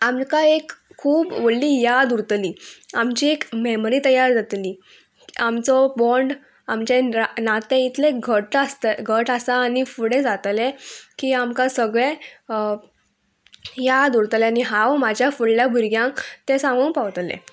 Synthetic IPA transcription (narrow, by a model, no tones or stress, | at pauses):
amkãekʰːuːbʋəɽliːjad̪uɾt̪liːamt͡ɕiːekmemɾiːt̪əjaɾd͡zat̪liː | amt͡sɔbɔɳɖ | amt͡ɕenat̪ẽit̪ʰleɡʱəʈast̪ɡʱəʈasaːnifuɽẽd͡zat̪lɛkiːamkãsəɡɭẽ | jad̪uɾt̪lɛaniɦãʋmad͡ʑʱjafuɽljabʱuɾɡjãŋkt̪ẽsãŋɡũnpaʋt̪lḛ